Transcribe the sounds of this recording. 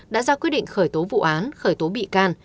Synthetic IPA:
ɗa̰ː˧˥zaː˧kwt̚ɗḭ˧˨ŋ̟xəː˧˩jt̪o˨˦vṵ˧˨ʔaː˨˦nxəː˧˩jt̪o˨˦ɓḭ˧˨kaː˧n

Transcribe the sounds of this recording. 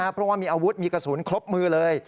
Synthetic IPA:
aː˧˩pʰɾɔ˦˥˩waː˧˩miː˧ʔaː˧wu˦˥t̪̚miː˧ka˧˩su˩˦nkʰlo˦˥p̚mɯː˧lɤː˧j

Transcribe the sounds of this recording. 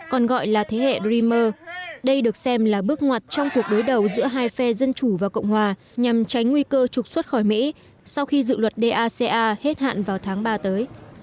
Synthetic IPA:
kɔ˨˩nɣɔ̰˧˨jlaː˨˩t̪ʰe˨˦hḛ˧˨zi˧məː˧ɗə˧jɗɨ˨˩ək̚sɛ˧mlaː˨˩ɓɨ˦˥ək̚ŋwaː˨˩t̚t͡ɕɔ˧wŋ͡mku˨˩ək̚ɗo˨˦jɗə˨˩wzɨ̰˧˥əɦaː˧jfɛ˧zə˧nt͡ɕu˧˩vaː˨˩wkə̰˧˨wŋ͡mhwaː˨˩ | ɲa˨˩mt͡ɕa˨˦jŋ̟ŋwi˧kəː˧t͡ɕʊ˨˩k͡p̚swə˦˥t̚xɔ˧˩jmḭ˧˥ | sa˧wxi˧zɨ̰˧˨lwə˨˩t̚ɗe˧ʔaː˧se˧ʔaː˧he˦˥t̚ha̰ː˧˨nvaː˨˩wt̪ʰaː˨˦ŋɓaː˧t̪əː˨˦j

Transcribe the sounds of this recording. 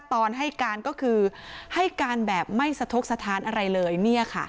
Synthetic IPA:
t̪ɔː˧nɦa˥˩jkaː˧nkɔː˥˩kʰɯː˧ha˥˩jkaː˧nbɛː˨˩p̚ma˥˩jsa˧t̪ʰo˦˥k̚sa˧t̪ʰaː˨˥nʔa˧ɾa˧jlɤː˧jni˥˩ɐkʰa̰˥˩

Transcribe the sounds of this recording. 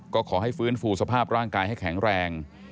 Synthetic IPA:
kɔː˥˩kʰɔː˩˦ɦa˥˩jfɯː˦˥nfuː˧sa˧pʰaː˥˩p̚ɾaː˥˩ŋkaː˧jha˥˩jkʰɛ˩˦ŋɾɛː˧ŋ

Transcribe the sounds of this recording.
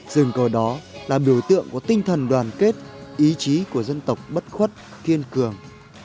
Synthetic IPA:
z̥ɨ˨˩ŋkəː˨˧˩ɗɔ˨˦laː˨˩ɓi˧˩əwt̪ɨ̰˧˨əŋkɔ˨˧˦t̪ï˧ŋ̟t̪ʰə˨˩nɗwaː˨˩nke˦˥t̚ʔi˨˦t͡ɕi˨˦ku˧˩əzə˧nt̪ə˨˩wk͡p̚ɓə˦˥t̚xwə˦˥t̚ | ki˧ənkɨ˨˩əŋ

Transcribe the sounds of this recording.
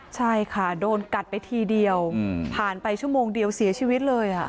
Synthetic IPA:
t͡ɕʰa˥˩jkʰa˥˩doː˧nka˨˩t̪̚pa˧jt̪ʰiː˧di˧əwpʰaː˨˩npa˧jt͡ɕʰu˥˩əmoː˧ŋdi˧əwsi˨˩˦t͡ɕʰiː˧wi˦˥t̪̚lɤː˧jʔa˨˩ʔ

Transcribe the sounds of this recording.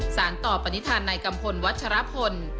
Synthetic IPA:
saː˩˦nt̪ɔː˨˩pa˧ni˦˥t̪ʰaː˧nːaː˧jka˧mpʰo˧nwa˦˥t̪̚t͡ɕʰa˧ɾa˦˥pʰo˧n

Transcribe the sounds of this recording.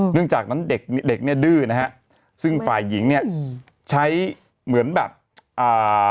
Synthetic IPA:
nɯ˥˩əŋt͡ɕaː˨˩k̚na˦˥nde˨˩k̚n˥de˨˩k̚ni˥˩ɐdɯː˥˩na˦˥kʰa˦˥ʔ | sɯ˥˩ŋfaː˨˩jːi˩˦ŋni˥˩ɐ | t͡ɕʰa˦˥j | mɯ˩˦ənbɛː˨˩p̚ | ʔaː˨˩

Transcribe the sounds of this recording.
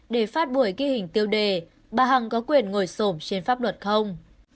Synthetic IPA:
ɗe˧˩faː˦˥t̚ɓu˧˩əjki˧hï˨˩ŋ̟t̪i˧əwɗe˨˩ | ɓaː˨˩ɦa˨˩ŋkɔ˨˦kwi˨˩ənŋo˧˩jso˧˩mt͡ɕe˧nfaː˦˥p̚lwə˨˩t̚xə˧wŋ͡m

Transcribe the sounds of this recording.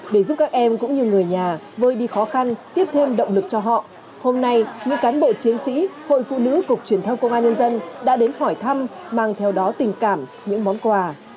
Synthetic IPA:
ɗe˧˩zu˦˥p̚kaː˦˥k̚ʔɛ˧mkʊ̰˧˥ŋ͡mɲɨ˧ŋɨ˨˩əjɲaː˨˩ | voː˧jɗi˧xɔ˨˦xa˧nt̪i˦˥əp̚t̪ʰe˧mɗə̰˧˨wŋ͡mlɨ˨˩k̚t͡ɕɔ˧ɦɔ̰˧˨ʔ | ho˧mna˧jɲɨ̰˧˥ŋkaː˨˦nɓo̰˧˨t͡ɕi˨˦ənsḭ˧˥ho̰˧˨jfṵ˧˨nɨ̰˧˥kʊ˨˩k͡p̚t͡ɕwi˧˩ənt̪ʰə˧wŋ͡mkə˧wŋ͡mʔaː˧nɲə˧nzə˧nɗa̰ː˧˥ɗe˨˦nhɔ˧˩jt̪ʰa˧mmaː˨˩ŋt̪ʰɛ˧wɗɔ˨˦t̪ï˨˩ŋ̟kaː˧˩m | ɲɨ̰˧˥ŋmɔ˨˦nkwaː˧

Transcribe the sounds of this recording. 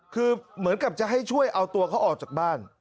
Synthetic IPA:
kʰɯː˧mɯ˩˦ənka˨˩p̚t͡ɕa˨˩ɦa˥˩jt͡ɕʰu˥˩əjʔa˧wt̪u˧ɐkʰa˦˥wʔɔː˨˩k̚t͡ɕaː˨˩k̚baː˥˩n

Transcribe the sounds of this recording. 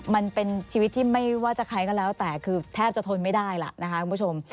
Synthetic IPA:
ma˧npe˧nt͡ɕʰiː˧wt̪ʰːiː˥˩ma˥˩jwaː˥˩t͡ɕa˨˩kʰa˦˥jkɔː˥˩lɛː˦˥wt̪ɛː˨˩kʰɯː˧t̪ʰɛː˥˩p̚t͡ɕa˨t̪ʰo˧nma˥˩jda˥˩jla̰˨˩na˦˥kʰa˦˥u˧mbʰu˥˩t͡ɕʰo˧m

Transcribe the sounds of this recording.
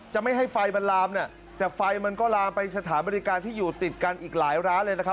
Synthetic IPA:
t͡ɕa˨˩ʔma˥˩jɦa˥˩jfa˧jba˧nlaː˧mni˥˩ | t̪ɛː˨˩fa˧jma˧nkɔː˥˩laː˧mpa˧jsa˧t̪ʰaː˩˦nbaː˧ɾiː˦˧˥kaː˧nt̪ʰiː˥˩juː˨˩t̪i˨˩t̪̚ka˧nʔiː˨˩k̚laː˩˦jɾaː˦˥nlɤː˧jna˦˥kʰp̚

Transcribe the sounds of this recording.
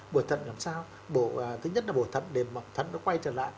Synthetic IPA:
ɓu˧˩əjt̪ʰə̰˧˨nlaː˨˩msaː˧w | ɓoː˧˩˨t̪ʰɨ˨˦ɲə˦˥t̚laː˨˩ɓo˧˩t̪ʰə̰˧˨nɗe˨˩mː˨˩t̪ʰə̰˧˨nɗɔ̰˧˦˥kwa˧jt͡ɕəː˧˩la̰ː˧˨j

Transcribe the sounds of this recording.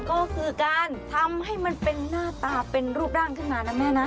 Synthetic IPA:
kɔː˥˩kʰɯː˧kaː˧nt̪ʰa˧mha˥˩jma˧npe˧nːaː˥˩t̪aː˧pe˧nɾuː˥˩p̚daː˥˩ŋkʰa˥˩naː˨˩na˧mɛː˦˥na˦˥

